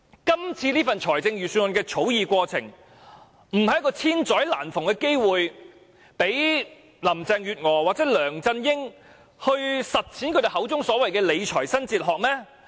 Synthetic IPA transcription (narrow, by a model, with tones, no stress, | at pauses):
kɐ˥mt͡sʰiː˧liː˥fɐ˨nt͡ʃʰɔː˨˩jt͡sɪ˧ŋjyː˨syː˧nwnkɛː˧t͡sʰo˨˥wjiː˨kʷɔː˧t͡sʰɪ˨˩ŋ | m̩˨˩hɐ˨jkɔː˧t͡sʰiː˥nt͡sɔː˨˥jla̰ː˨˩nfʊ˨˩ŋkɛː˧ke˥jwuː˨j | pe˨˥j | lɐ˨˩mt͡sɛː˧ŋjyː˨t̚ŋɔː˨waː˨k̚t͡sɛː˨˥lœː˨˩ŋt͡sɐ˧njɪ˥ŋ | hɵ˧ɥsɐ˨t̚t͡sʰiː˨˥nkʰɵ˧de˨˩hɦɐ˨˥wt͡sʊ˥ŋsɔː˨˥wɐ˨jkɛː˧le˨˧jt͡ʃʰɔː˨˩jsɐ˥nt͡siː˧t̚ɦɔː˨k̚mɛː˥